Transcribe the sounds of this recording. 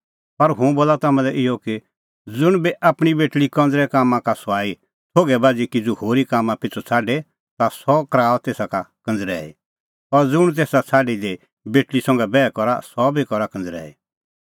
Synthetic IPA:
pɐɾɦũboːlat̪aːmãlɛʔɪɔki | d͡zʊɽ̃biʔaːpɽ̃ibeːʈlikɐ̃nd͡zɾɛkaːmːãkasɔaːi | t̪ʰoːɡɛbaːd͡zikid͡zohoːɾikaːmːãpɪt͡sʰɔt͡sʰaːɖe | t̪asɔkɾaːlt̪eːsakakɐ̃nd͡zɾɛ̰ːḭ | ɔɾd͡zʊɽ̃t̪eːsat͡sʰaːɖide | beːʈlisɐ̃ŋɡɛbɛːkɔɾa̰sɔbikɔɾakɐ̃nd͡zɾɛ̰ːḭ

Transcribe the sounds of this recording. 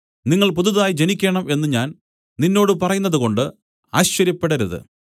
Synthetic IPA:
niŋːɐɭpuðuðaːjid͡ʑenikʲːeːɳɐme̞nːɨɲaːn | ninːo̞ːɽɨpɐrɐjunːɐðuko̞ɳɖɨ | aːɕt͡ɕːɐɾjɐpːe̞ɽɐɾɐðɨ̰

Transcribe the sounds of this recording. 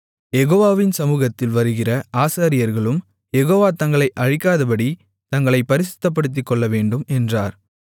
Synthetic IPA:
jɛɣoːʋaːʋɪnsɐmuːɣɐt̪ːɪlʋɐɾɯɣɪrɐʔaːsaːɾɪjɐɾɣɐɭɯm | jɛɣoːʋaːt̪ɐŋɡɐɭɐɪʔɐɻɪkːaːðɐpɐɽi | t̪ɐŋɡɐɭɐɪpːɐɾɪs̬ɪ̥t̪ːɐp̬ːɐɽɯt̪̬ːɪkːɔɭːɐʋeːɳɖɯmɛndraːɾ

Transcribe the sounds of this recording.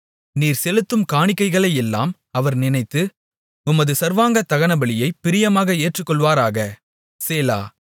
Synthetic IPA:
niːɾsɛlɯt̪ːɯmkaːɳɪkːɐɪɣɐɭɐjɛlːa̰ːm | ɐʋɐɾnɪnɐɪt̪ːɯ | ʊmɐðɯsɐɾʋaːŋɡɐt̪ːɐɣɐnɐbɐɭɪjɐɪpːɪɾɪjɐmaːɣɐeːʈrɯkːɔɭʋaːɾaːɣɐ | seːla̰ː

